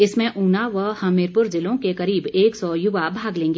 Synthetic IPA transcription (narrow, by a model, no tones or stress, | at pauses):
ɪsmẽʔuːnaʋəhɐmɪːɾpʊɾzɪlõkekɐɾiːbeːksɔjʊʋabʱaːɡlẽːŋɡeː